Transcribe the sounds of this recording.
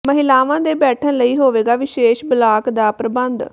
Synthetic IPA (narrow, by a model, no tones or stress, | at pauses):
məɦɪlaːʋãːd̪eːbɛːʈʰənləiːɦoːʋeːɡaːʋɪʃeːʃbɪlaːkd̪aːpɾəbənd̪